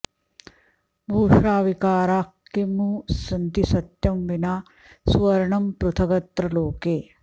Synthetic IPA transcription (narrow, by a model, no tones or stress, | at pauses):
bʱuːʃaːʋikaːɾaːkːemusɐnt̪isɐt̪jɐmʋɪnaː | swɐɾɳɐmpɾʊt̪ʰɐɡɐt̪ɾɐloːkeː